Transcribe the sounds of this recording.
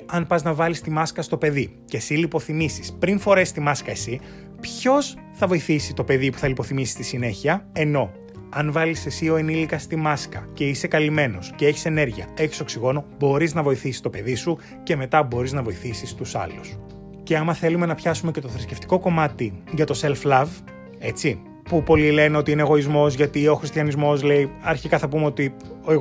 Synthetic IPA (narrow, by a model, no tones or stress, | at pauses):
ɐnpɐznɐvɐlist̪imɐskɐst̪o̞pe̞ði | ce̞silipo̞θimisi̥spɾinfo̞ɾe̞st̪imɐskɐesi | pço̞s | θɐvo̞iθisit̪o̞pe̞ðipu̥θɐlipo̞θimisi̥st̪isine̞çiɐe̞no̞ | ɐnvɐlise̞sio̞enilikɐst̪imɐskɐce̞ise̞kɐlime̞no̞scee̞çi̥se̞ne̞ɾʝiɐ̰e̞çi̥so̞ksiɣo̞no̞bo̞ɾiznɐvo̞iθisi̥st̪o̞pe̞ðisu | ce̞me̞t̪ɐbo̞ɾiznɐvo̞iθisist̪usɐ̰lus | ce̞ɐmɐθe̞lume̞nɐpçɐsume̞ce̞t̪o̞θɾisce̞ft̪i̥ko̞ko̞mɐt̪iʝɐt̪o̞selflɐv | e̞t͡si | pupo̞lile̞neo̞t̪iineeɣo̞izmo̞zʝɐt̪io̞xɾist̪jɐnizmo̞zle̞iɐɾçikɐθɐpumeo̞t̪i | oe